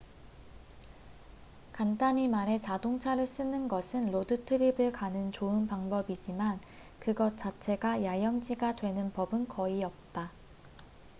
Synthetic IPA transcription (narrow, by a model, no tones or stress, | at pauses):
kantaɲimaɾe̞t͡ɕadoŋt͡ɕʰaɾɯɭs͈ɯnɯnɡʌsʰɯnlodɯtʰɯɾibɯɭkanɯnt͡ɕoɯnpaŋbʌbid͡ʑiman | kɯɡʌt͡ɕ͈at͡ɕʰe̞ɡajajʌŋd͡ʑiɡadwe̞nɯnpʌbɯnkʌiʌp̚t͈a